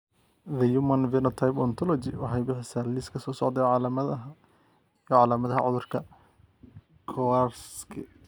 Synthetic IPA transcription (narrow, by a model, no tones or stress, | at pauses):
ðɐjumɐnvɛnɔt̪ʰajpɔnt̪ʰɔlɔt͡ʃɪwɑħɑjbɪħɪsaːliskʰɐsɔːsɔʕd̪ɛʕɑlamɐɐ | jʕɑlaːmɐðɐɦɐ̰ʕʊðʊrkʰɐ | kʰɔarskʰɪ̰